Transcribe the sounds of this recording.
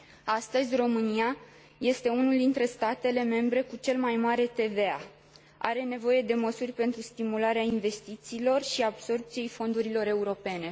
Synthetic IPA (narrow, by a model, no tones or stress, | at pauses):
ast̪əzʲro̞mɨnia | je̞st̪e̞unuld̪int̪ɾe̞st̪at̪e̞le̞me̞mbɾe̞kut͡ʃe̞lmajmaɾe̞t̪e̞vea̰ | a̰ɾe̞ne̞vo̞je̞d̪e̞məsurʲpe̞nt̪ɾust̪imulaɾeainve̞st̪it̪siːlo̞rʃiabso̞rp̚t̪sije̞jfo̞nd̪uɾilo̞ɾe̞uɾo̞pe̞ne̞